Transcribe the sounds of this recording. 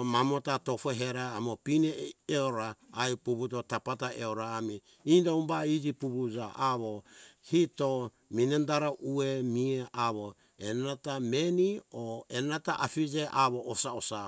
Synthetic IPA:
mamo̞tatofoɦeɾaːmopineeoɾaajpuβut̬otapataʔeoɾaːmi | indaumbaid͡ʒipuβud͡ʒaʔaβohito | minendaɾaʔuemieʔaβo | enatamenioenataʔafid͡ʒeʔaβoːsaosa

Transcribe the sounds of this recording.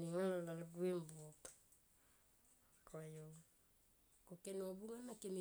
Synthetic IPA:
niŋalalalɡuimbok | kajo | kokenobuŋanakemi

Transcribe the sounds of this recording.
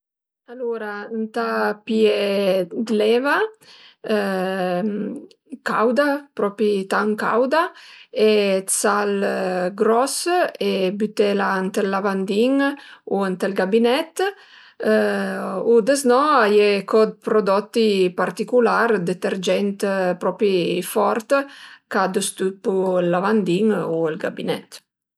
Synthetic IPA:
aluɾant̪apjed̪lɛva | kawd̪apɾɔpit̪aŋka̰wd̪aet͡salɡɾɔsebyt̪elant̪elːavand̪iŋuant̪elɡabinɛt̪ː | ud̪eznɔajekɔd̪̚pɾod̪ɔt̪ːipart̪ikulaɾd̪ət̪eɾd͡ʒɛnt̪pɾɔpifɔɾt̪kad̪əst̪ut̪̚pulːavand̪iŋuelɡa̰binɛt̪

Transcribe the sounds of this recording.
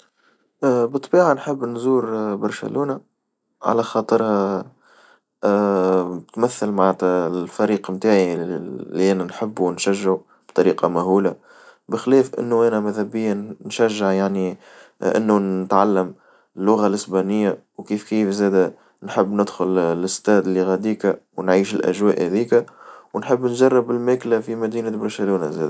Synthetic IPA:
ʔːbɨt̪ˤːbiːʕanħəbːnzuːɾbɑɾˤʃæ̰lʔuːna | ʕa̰læxɑːt̪ˤɨɾha | t̪mæθːəlmaʕt̪llfæɾiːqmt̪aːʕilːiʔænænħəbːnʃæʒːaʕ | b̥t̪ˤɑɾiːqɑmæɦuːla | bɪxlɛːfʔɪ̰nːuʔæːnɛmæðhæbɪjːanʃæʒːɪʕjaʕni | ʔɪ̰nːuɪt̪ʕalːəm | ɪlːʊɣalʔɪsbæːnɪjːawkiːfkiːfzɛːd̪æ | nħəbːnɪd̪xʊllɪst̪ɛːd̪lːiɣæd̪iːkæwnʕiːʃɪlʔæ̰ʒwæːʔhæðiːkæwnħəbːnʒɑrˤːɑbɪlmæːklafimæd̪iːnabɑɾʃæluːnazɛːd̪æ

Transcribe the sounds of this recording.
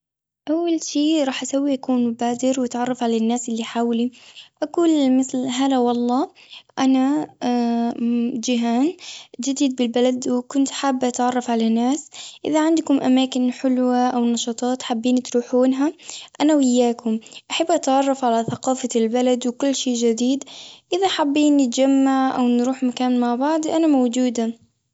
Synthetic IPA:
ʔawːalʃiːɾˤɑːħʔasawːiʔakuːnmʊbaːd̪ɪɾwʔat̪ʕɑrˤːɑfʕalanːaːsʔɪlːiħaːwliʔakuːlmɪθlɦalawɑlˤːɑː | ʔana | d͡ʒɪɦaːnd͡ʒɪd̪iːd̪̚bɪlbalad̪wɪkʊnt̪ħaːbːʔat̪ʕɑrˤːɑfʕalanːaːsʔɪ̰ðaʕɪnd̪kʊmʔamaːkɪnħɪlwaʔawnɑʃɑːt̪ˤɑːt̪ħabːiːnit̪ɾuːħuːnɦaʔanawɪjːaːkʊmʔaħabːʔat̪ʕɑrˤːɑfʕalaθaqɑːfalbalad̪wɪkʊlːʃeːʔd͡ʒɪd̪iːd̪ʔɪðaħabːiːnːɪt̪d͡ʒamːaʕʔawnɾuːħmakaːnmaʕbɑʕd̪ˤʔanamawd͡ʒuːd̪a

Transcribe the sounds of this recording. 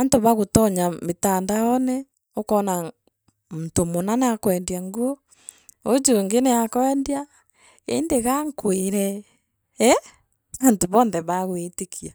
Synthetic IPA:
antoβaɣotɔɲametandajɔnɛ | okɔna | muntomonanakwɛndjaŋɡuo | od͡ʒoŋɡenɛakɔɛndia | ḛndeɣaŋkweɾɛ | ɛ | antoβɔːnðɛβaɣwetekʰia

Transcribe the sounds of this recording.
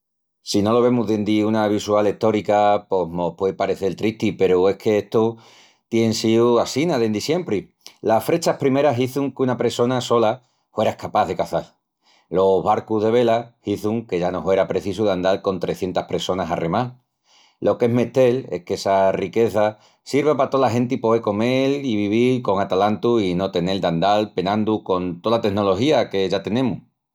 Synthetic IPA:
sino̞lo̞β̞e̞muðend̪iunaβ̞iswale̞t̪o̞ɾikapo̞ɦmohpwepaɾe̞θelt̪ɾiht̪ipe̞ɾue̞kʰe̞eht̪o | t̪jeensiwasinaðend̪isje̞mpɾi | lafɾe̞t͡ʃapɾime̞ɾaɦiθuŋkunapɾeso̞naso̞la | fwe̞ɾaehkapaðe̞kaθal | lo̞βaɾkuɦðeβ̞e̞lahiθuŋke̞ʝanoɦwe̞ɾapɾe̞θisuðand̪alko̞nt̪ɾe̞θje̞nt̪ahpɾe̞so̞nasa̰remal | lʔo̞ke̞ɦme̞ht̪e̞le̞̰hkesarike̞θa | siɾβapat̪olaɦẽ̞nt̪ipoβeko̞meliβiβilko̞ŋat̪alant̪uino̞t̪e̞ne̞ld̪and̪alpe̞nãnd̪uko̞nt̪o̞ðat̪e̞no̞lo̞ɦiake̞ʝat̪e̞nẽmu

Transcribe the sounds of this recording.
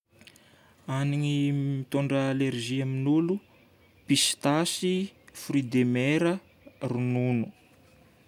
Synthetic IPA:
aniŋimit̪uɳɖ͡ʐəalerʒiaminulu | pist̪asifɾid̪emeɾə | rununu

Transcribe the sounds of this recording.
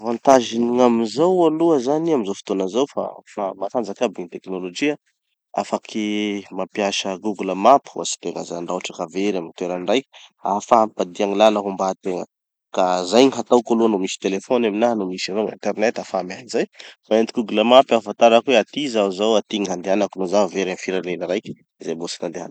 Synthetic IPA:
vant̪aʒiniŋamizawaluəzaniamizafi̥t̪onəzawfa̰famak̪and͡zakabiŋit̪eknolod͡ʒia | a̰fakʰimapiaʃəɡuɡuləmapi̥uasi̥t̪eŋəzaaɳɖ͡ʐaʈ͡ʂakaveɾamint̪weɾanraja̰faɦampad̪iaŋilanakumbat̪eŋə | kazajɲiɦat̪awkoluanomisi̥t̪elefɔnaminaɦnomisiɾoḭnt̪ernet̪afamanizajfaent̪iɡuɡləmapafant̪aɾakweat̪izauzawat̪iŋiɦand̪eanakunozaveɾanfiɾalenəɾajk | zembosi̥nand̪ea̰n

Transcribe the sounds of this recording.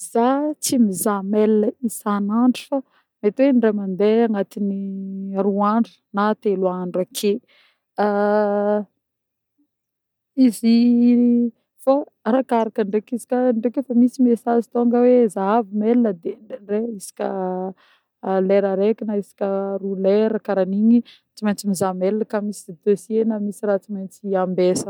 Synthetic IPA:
zat͡simizamelinəisanaɳɖ͡ʐi̥fa | met̪wenɖ͡ʐemand̪eaŋat̪iniruaɳɖ͡ʐə̥nat̪eluaɳɖ͡ʐakʰe | a | izi | fa | rakaɾakəɳɖ͡ʐekizi̥kʲaɳɖ͡ʐekefamisimesazit̪oŋɡəwezaavimelinəd̪ereisḁkʲə | leɾəɾekʲinaisḁkʲəruleɾəkaɾaniɲi | t͡simajnt͡simizamelnəkamisid̪esenəmisiɾat͡simajnt͡siambesə

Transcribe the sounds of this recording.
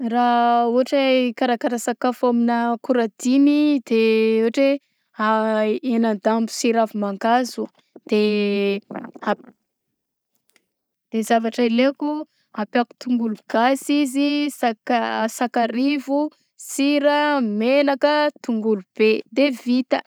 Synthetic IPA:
rauɦaʈ͡ʂakaɾakaɾasakafaminəkuɾad̪inid̪euaʈ͡ʂe | aenand̪ambu̥siɾavumaŋɡazu | d̪̥e | a | d̪̥ezavaʈ͡ʂaileku | apaku̥t̪uŋɡuluɡ̥asizisakasakaɾivu | siɾəmelakət̪uŋɡulub̥ed̪evit̪ə

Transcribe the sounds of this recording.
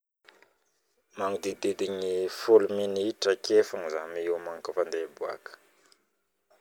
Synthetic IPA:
maŋud̪id̪id̪iɲifuluminiʈ͡ʂəkʰefaŋizamiiwmaŋkəfand̪ebua̰kə̥

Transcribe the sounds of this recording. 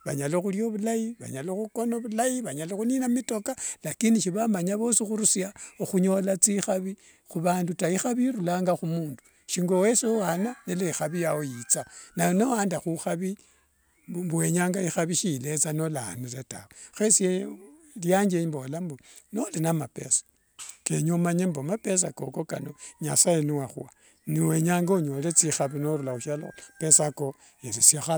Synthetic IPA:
βa̰ɲaloxuljoβulajiβa̰ɲaloxuko̞noβulajiβaɲaloxuninamito̞kalakiniʃiβamaɲaβo̞sixuɾusjaoxuɲo̞lat͡sixaβi | xuβaːndutaixaβiɾulaːŋɡaxumuːndu̥ | ʃiŋɡo̞weseowananelexaβijawojit͡sanajonowaːndaxuxaβi | mbuweɲaːŋɡaixaβiʃilet͡sano̞lanuletawxesie | ljaɲɡeimbolambonolinamapḛsḁ | keɲomaɲembomapes̬akokoka̰noɲa̰sajeniwaxua | niwe̞ɲaːŋɡaoɲolet͡sixaβinoɾulauʃalo̰pe̞sako | elisaxa

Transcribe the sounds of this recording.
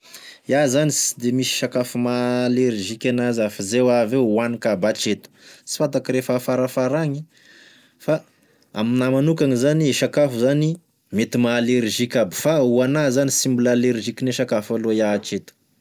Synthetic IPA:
jazanisd̪emisi̥ʃakafumaleɾʒikʲanazafizewavewanikabat͡ʃet̪u̥t͡si̥fat̪akiɾefafaɾafaɾaŋi | fa | a̰minamanukaŋizaniiʃakafuzani | met̪imaːleɾiʒikʲabi̥fauanazanisimbulaleɾiʒikʲineʃakafaluajat͡ʃet̪u̥

